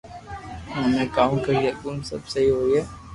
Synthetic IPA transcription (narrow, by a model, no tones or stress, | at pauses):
ɦɐmẽkaːmkɐɾijɐkuːnsɐ̰bsɐɦiɦoːiɛː